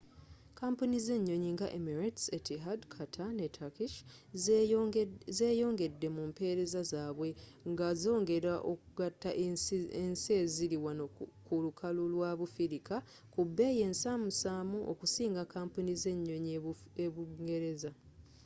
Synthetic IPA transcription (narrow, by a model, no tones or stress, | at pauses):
kaːmpunize̞ɲːo̞ɲiŋɡaʔemiɾatsetiɦadkʰatʰanetʰakiʃ | zeːjo̞ːŋɡe̞dːe̞mumpe̞ːɾe̞zazaːβwe̞ŋɡazo̞ːŋɡe̞ɾaʔokuɡatːa̰ʔensie̞ziɾiwanokulukʰalulwaβufiɾika | kubːe̞ːje̞nsamusaːmuʔokusiːŋɡakaːmpunize̞ɲːo̞ɲeβuŋɡe̞ɾe̞za